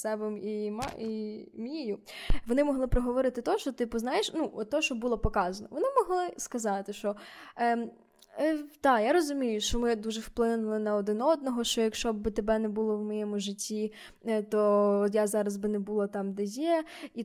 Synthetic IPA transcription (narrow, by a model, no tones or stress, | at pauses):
sɛbɛmimɑ̰imʲijʊʋɔnɪmɔɦlˠɪpɾɔɦɔʋɔɾɪt̪ɪt̪ɔʃt͡ʃɔt̪ɪpɔznɑjeʃnuʔɔt̪t̪ːɔʃt͡ʃɔbulˠɔpɔkɑzɐnɔʋɔnɪmɔɦlˠɪskɐzɑt̪ɪʃt͡ʃɔ | t̪ɑjaɾɔzʊmʲijʊʃt͡ʃɔmɪd̪uʒɛwplˠɪnʊlˠɪnɐɔd̪ɪnɔd̪̚nɔɦɔʃt͡ʃɔjɐkʃt͡ʃɔbɪt̪ebɛnɛbulˠɔwmɔjɛmʊʒɪtʲːi | t̪ɔt̪jazɑɾɐzbɪnɛbulˠɔt̪ɑmd̪ɛjɛi